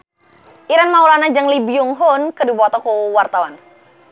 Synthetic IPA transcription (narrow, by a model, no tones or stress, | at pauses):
ʔiɾanmaulanad͡ʒaŋlibiuŋɦʊnkədibɔt̪ɔkuwart̪awan